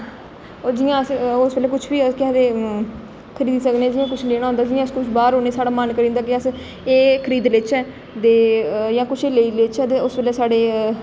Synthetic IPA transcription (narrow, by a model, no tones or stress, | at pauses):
od͡ʒɪjãːəsʊsbeːlɛːk̬ʊt͡ʃʰbiːəkɪɛːd̪eː | kʰəɾiːd̪iːsəkneːɛːd͡ʒɪjãːk̬ʊt͡ʃʰleːɽaːʊ̃nd̪aːd͡ʒɪjãːskʊt͡ʃʰbaːɾoːneːsaːɽaːmənkəɾĩːnd̪aːkɪəs | eːkʰəɾiːd̪lɪt͡ʃɛː | d̪eːjãːkʊt͡ʃʰeːleiːlet͡ʃɛːt̪eːʊsbeːlɛːsaːɖeː